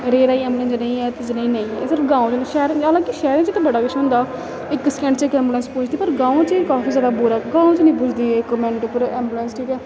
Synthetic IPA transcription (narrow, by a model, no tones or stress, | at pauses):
ɾeːɾaːiːɛ̃ːmblə̃nd͡ʒnə̃ĩːɛːt̪ɪd͡ʒɪnẽĩːnəĩːɛːsɪɾəfɡãːõt͡ʃnʃɛːɾəlãːkiʃɛːɾɪ̃t͡ʃət̪ẽbəɽaːkɪt͡ʃʰɦʊ̃ːnd̪aː | ɪkskɛ̃ːɳʈt͡ʃəɪkɛ̃ːmbulənspʊ̃t͡ʃʰd̪iːpəɾɡãːõːt͡ʃəkaːfiːzaːɽaːbʊɾaːɡãːõːt͡ʃənə̃ĩːpʊd͡ʒd̪iːɪkːmɛ̃ːɳʈːpəɾɛ̃ːmbulənsʈʰiːkɛː